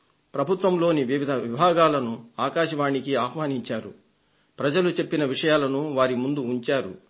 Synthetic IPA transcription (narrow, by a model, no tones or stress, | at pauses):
pɾɐbʱut̪ʋɐmlo̞ːniʋiʋid̪ʱɐʋibʱaːɡaːlɐnuaːkaːʃɐʋaːɳikiaːɦʋaːniɲt͡ʃaːɾṵ | pɾɐd͡ʒɐlut͡ʃe̞pːinɐʋiʂɐjaːlɐnuʋaːɾimund̪uːɲt͡ʃaːɾṵ